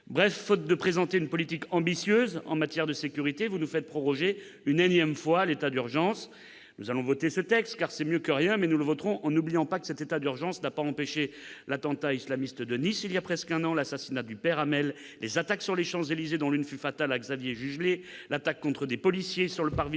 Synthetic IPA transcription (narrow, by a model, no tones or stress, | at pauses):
bʁɛfːɔt̪̚d̪əpχezɑ̃t̪eynpɔlit̪ikɑ̃bisjøzɑ̰̃mat̪jɛʁd̪əsekʲyʁit̪evunufɛt̪̚pχɔʁɔʒe | ynɛ̃njɛmfwalet̪ad̪yʁʒɑ̃s | nuzalɔ̃vɔt̪esət̪ɛkst̪kaʁsɛmjøkəʁjɛ̃mɛnuləvɔt̪χɔ̃ʔɑ̃nublijɑ̃pakə̥sɛt̪et̪ad̪yʁʒɑ̃snapaɑ̃peʃelat̪ɑ̃t̪aislamist̪d̪ənisiljapχɛskɛ̃nɑ̃lasasinad̪ypɛʁamɛlː | ezat̪aksyʁleʃɑ̃zelized̪ɔ̃lynfyfat̪alaɡzavjeʒyʒlelat̪akːɔ̃t̪χəd̪epɔlisjesyʁləpaʁvi